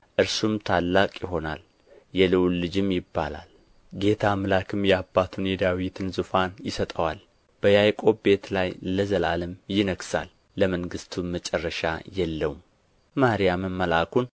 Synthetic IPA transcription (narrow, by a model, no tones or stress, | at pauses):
ʔɨɾsumt̪ʰalːakʼjɪɦo̞na̰l | jɛlɨwlɨd͡ʒɪmjɪbːa̰la̰l | ɡe̞t̪ʰamɨlakʰɨmjɛabːat̪ʰunjɛd̪awit̪ʰɨnzɨfanjɪsət̪ʼəwal | b̥əjajkʼo̞be̞t̪lajləzəla̰lɨmjɪnəɡsa̰lː | əməŋɡɨst̪ʰumət͡ʃʼɛrːəʃa̰jɛlːəwum | mahɾijamɨmːəlakʰun